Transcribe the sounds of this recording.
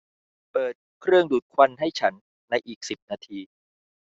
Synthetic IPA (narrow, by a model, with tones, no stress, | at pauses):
pɤː˨˩t̪̚kʰɾɯ˥˩əŋduː˨˩t̪̚kʰwa˧nɦa˥˩jt͡ɕʰa˦˥nː | a˧jʔiː˨˩k̚si˨˩p̚naː˧t̪ʰiː˧